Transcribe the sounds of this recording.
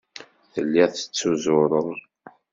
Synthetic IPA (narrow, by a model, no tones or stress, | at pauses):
θəlːiʁθə̥t͡sːuzʊɾˤəðˤ